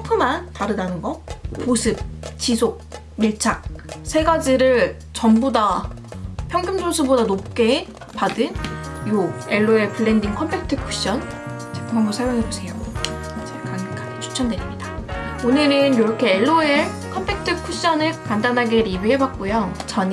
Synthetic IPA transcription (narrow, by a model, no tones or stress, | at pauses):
t͡ɕʰʌpʰɯmantaɾɯdanɯnɡʌposʰɯp̚t͡ɕisʰok̚ | miɭt͡ɕʰak̚sʰe̞ɡad͡ʑiɾɯɭ | t͡ɕʌmboda | pʰjʌŋɡɯmd͡ʑonsʰubodanop̚k͈e̞ | padɯnjoe̞ɭːoe̞pɯɭːendiŋkʰʌmpʰek̚tʰɯkʰuɕ͈ʌn | t͡ɕekʰumaŋɡʌsʰajoŋɦebosʰe̞jo | d͡ʑekaŋkʰaɡet͡ɕʰu̥t͡ɕʰʌndwe̞ɾimɲidaonɯɾɯnjoɾʌkʰe̞ːɭːoe | kʰʌmpʰek̚tʰɯkʰuɕ͈ʌnɯɭkandanɦaɡe̞ɾibiɦe̞bak̚k͈ojot͡ɕʌɲ